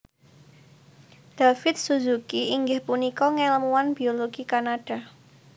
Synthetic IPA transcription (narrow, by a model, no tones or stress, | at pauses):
d̪̥afɪt̪̚suzukiʔiŋɡɪhpunikɔŋeləmuwanb̥ioloɡ̥ikanaɖ̥a̤